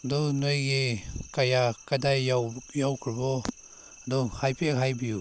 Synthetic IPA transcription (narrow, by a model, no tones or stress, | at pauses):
dɔnojɡikajakadajajawkʰɾbɔ | dɔhajpʰekhajbiju